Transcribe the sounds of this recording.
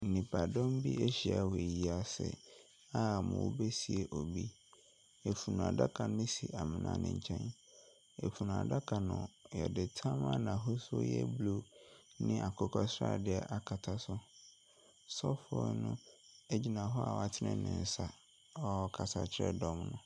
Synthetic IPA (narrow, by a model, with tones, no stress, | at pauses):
n̩˨nĩ˨pʰa˨dɔ̃˦mbi˦e˦ɕi˨a̰˨we˨ji˨a˨sɛ̰˨ | a˦˨mʊ̰̃˨wo˨be˦si˨e˨ʔo˨bi˦ | ɛ˨fu˨nũ˨a̰˨da˦kʰa˨nʊ̃˦si˨ʔa˨mɪ̃˨nã̰˨nɪ̰̃˨ɲ˨t͡ɕʰɛ̃˦n | ɛ˨fu˨nʊ̃˨a̰˨da˦kʰa˨nʊ̃˨jɛ̰˨dɪ˨tʰã˦ma˦nã˨ɦo˦so̰˦jɛ̰˦blo˦nɪ̃˦ʔa˨kʰɔ˦kʰɔ˦sɾa̰˦˨dɪ˦ɛ˦ʔa˦kʰa˨tʰa˦sʊ˦ | sɔ˦fɔ̰˦nʊ̃˦ | e˦d͡ʑi˨nã˨ɦɔ˦a̰˨wa˨tʰɪ˦nɪ̃˦nɪ̰̃˨n̩˨˦sa˨ | ɔ˦˨kʰa˨sa˨t͡ɕʰɪ˦ɾɛ̰˦dɔ̃˦mnʊ̃˨